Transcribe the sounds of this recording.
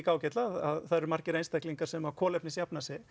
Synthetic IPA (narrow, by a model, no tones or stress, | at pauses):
kaːwcɛt̪laðaðθaðɾmar̥cɪɾejnst̪ajkliŋkaɾ̥sɛmakʰɔːlɛpnɪsjapnasɪ